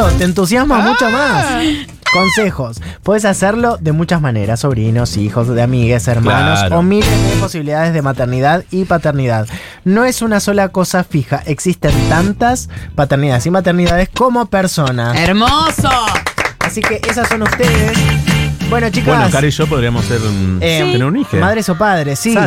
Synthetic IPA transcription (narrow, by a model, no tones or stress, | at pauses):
ot̪eːnt̪̬us̬jazmamut͡ʃomas | ko̞nsexo̞s | pwe̞ðesaseɾlo̞ðe̞mut͡ʃazmane̞̰ɾaso̞β̞ɾino̞sixo̞zðeamiɣe̞seɾmãnnosomilezðepo̞siβiliðaðe̞zð̞emat̪eɾniðaðipat̪eɾniðað | no̞e̞sunaso̞lako̞safixaʔe̞ksist̪ent̪ant̪aspat̪eɾniðaðesimat̪eɾniðaðesko̞mo̞peɾso̞naseɾmosoasike̞ʔes̬asːo̞nust̪eðesbwe̞not͡ʃikaekaɾiʃop̬oðɾiamoseɾt̪eneɾunixemaðɾeso̞pað̞ɾesːi